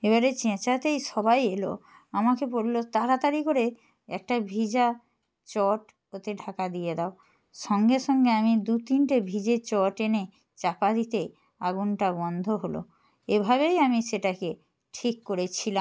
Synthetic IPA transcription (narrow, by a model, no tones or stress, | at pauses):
eβaɾet͡ɕẽt͡ɕat̪ejʃɔbajelo̰ | amakeboɾlot̪aɾat̪aɾikoɾe | ɛ̰k̚ʈabʱid͡ʑa | t͡ɕɔʈ | ot̪eɖʱakad̪ijed̪ao | ʃɔŋɡeʃɔŋɡeamid̪ut̪inʈebʱid͡ʑet͡ɕɔʈene | t͡ɕapad̪it̪e | aɡunʈabɔnd̪ʱoɦolo̰ | ebʱaβejamiʃeʈake | ʈʰikːoɾet͡ɕʰilam